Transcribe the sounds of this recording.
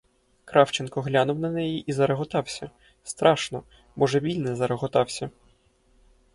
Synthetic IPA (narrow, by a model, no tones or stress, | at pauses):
kɾɑwt͡ʃɛnkɔɦlʲanʊwnɐnɛjiʔizɐɾeɦɔt̪ɑwsʲɐ | st̪ɾʔɑʃnɔ | bɔʒɛbʲilʲnɛzɐɾɐɣɔt̪ɑwsʲɐ